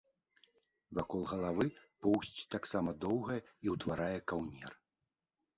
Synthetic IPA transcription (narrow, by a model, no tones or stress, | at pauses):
vakɔlˠɣɐlˠavɨpɔwsʲt͡sʲt̪aksamɐd̪ɔwɣɐjɛiwt̪vaɾajɛkawnʲɛ̰r